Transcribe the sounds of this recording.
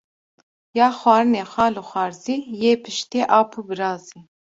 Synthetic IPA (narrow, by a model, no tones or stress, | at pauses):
jɑːxʷwɑːɾɨneːxʷɑːlɨxʷɑːɾziːjeːpʰɨʃt̪eːʔɑːpʰubɨɾɑːzi